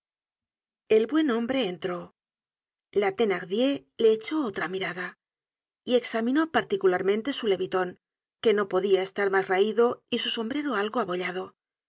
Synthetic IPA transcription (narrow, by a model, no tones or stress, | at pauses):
e̞lβwe̞nõ̞mbɾe̞ːnt̪ɾo̞ | lat̪e̞naɣðje̞le̞ːt͡ʃo̞ot̪ɾamiɾaða | ie̞ksamĩno̞paɾt̪ikulaɾmẽ̞nt̪esule̞βit̪o̞ŋ | ke̞no̞po̞ðiae̞st̪aɾmazraiðo̞isuso̞mbɾe̞ɾoalɣoaβo̞ʎaðo̞